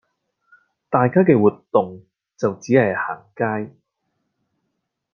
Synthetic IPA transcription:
t̪aː˨jkaː˥k̬ɛː˧wuː˨t̪ːʊ˨ŋ | t͡sɐ˨wt͡siː˨˥hɐ˨˩jhaː˨˩ŋkaː˥j

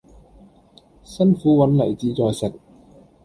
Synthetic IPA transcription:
sɐ˥nfuː˨˥wɐ˨˥nlɐ˨˩jt͡siː˨˧t͡sɔː˧jsɪ˨k̚

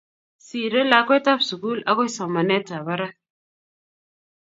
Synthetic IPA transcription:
si˨ɾe˦la˦kwe˦ta˦fsu˨ku˦la˦ko˦jsa˨ma˨ne˦ta˨βa˦ɾa˦

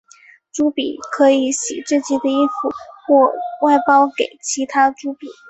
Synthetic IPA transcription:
ʈ͡ʂu˥pi˨˩˦kʰɤ˧˥i˨˩˦ɕḭ˨˩ʈ͡ʂ̩˥˧t͡ɕi˥˩d̪ə˨i˥nfu˥˩xwɔ˥˧wa˥˩ɪpɑ˥ʊke˨˩ɪt͡ɕʰi˧˥t̪ʰa˥ʈ͡ʂu˧˥pi˨˩˦

